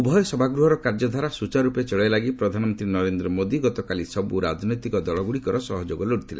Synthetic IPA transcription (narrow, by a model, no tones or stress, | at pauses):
ubʱɔjɔsɔbʱaɡɾuɦɔɾɔkaɾd͡ʒɔd̪ʱaɾasut͡ʃaɾupet͡ʃɔɭɔjlaɡipɾɔd̪ʱanɔmɔnt̪ɾinɔɾend̪ɾɔmod̪iɡɔt̪ɔkalisɔbuɾad͡ʒnɔjt̪ikɔd̪ɔɭɔɡuɽikɔɾɔsɔɦɔd͡ʒoɡɔloɽit̪ʰilḛ̃